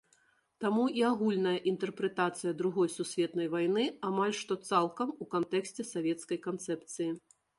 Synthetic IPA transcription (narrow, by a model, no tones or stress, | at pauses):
t̪amuʔiaɣulʲnɐjɐʔint̪ɛrpɾɛt̪at̪sɨjɐd̪ɾuɣɔjsusʲvʲɛt̪nɐjvajnɨamalʲʂt̪ɔt̪salˠkɐmukant̪ɛksʲt͡sʲɛsavʲɛt̪skɐjkant̪sɛpt̪sɨji